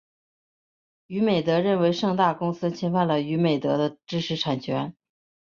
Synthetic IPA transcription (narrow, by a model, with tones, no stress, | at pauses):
y˧˥me˨˩ɪt̪ɤ˧˥ɻə˥˩nwe˧˥ɪʂɤ˥˧ŋt̪a˥˩kʊ˥ŋsɹ̩˥t͡ɕʰɛ˥nfa˥˩nlə˩y˧˥me˨˩ɪt̪ɤ˧˥d̪ə˧ʈ͡ʂɻ̩˥ʂʰɻ̩˧˥ʈ͡ʂʰa˨˩nt͡ɕʰɥɛ˧˥n